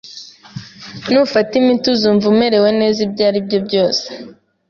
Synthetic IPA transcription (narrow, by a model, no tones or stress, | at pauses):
nufatimituzuɱvume̞ɾe̞we̞ne̞ːzibɟaːɾibɟo̞bɟo̞ːse̥